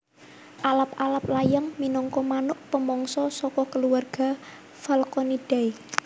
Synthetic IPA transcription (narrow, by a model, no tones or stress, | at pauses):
ʔalap̚alap̚lajəŋminɔŋkɔmanʊʔpəmɔŋsɔsɔkɔkəluwarɡ̥a̤ | falkɔnid̥ai